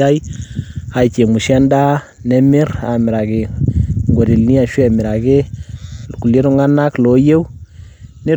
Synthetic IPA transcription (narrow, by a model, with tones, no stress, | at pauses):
a˦j | a˨jt͡ʃe˨mu˨ʃɛ˦nda˦ | nɛ˨mɪ˦ɾa˨mɪ˨ɾa˨ɡɪ˨ŋɡo˨ɾi˨lni˦a˨ʃwɛ˦˨mɪ˨ɾa˨ɡɪ˦lku˨lje˦ɾo˦ŋa˦na˦klo˨˦je˦w | ne˦